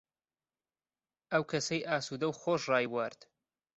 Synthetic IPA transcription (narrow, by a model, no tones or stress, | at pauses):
ʔɐwkʰɐsɐjʔaːsuːd̪ɐwxoːʃrɑːjwɐɾd̪̥